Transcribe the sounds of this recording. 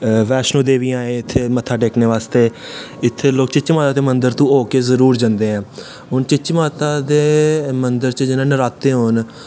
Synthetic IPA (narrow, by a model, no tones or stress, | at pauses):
ʋɛːʃnõːd̪eːʋiːãːẽːɪt̪ʰːeːmət̪ʰːaːɖeːkneːʋaːst̪eː | ɪt̪ʰːeːloːk̚t͡ʃɪt͡ʃmaːt̪aːd̪eːmənd̪əɾt̪ũːoːkeːzəɾuːɾd͡ʒãːnd̪eːɛ̃ː | ɦʊnt͡ʃɪt͡ʃmaːt̪aːd̪eːmənd̪əɾt͡ʃd͡ʒɪnãːnəɾaːt̪ːeːɦoːn